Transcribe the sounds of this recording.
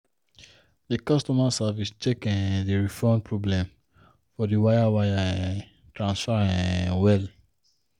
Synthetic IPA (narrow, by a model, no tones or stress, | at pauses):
dikɔstɔmasavist͡ʃʰekɛ̃ndiɹifɔ̃npʰɹɔblɛ̃m | fɔdiwajawajã | tɹãnsfaɹĩwɛl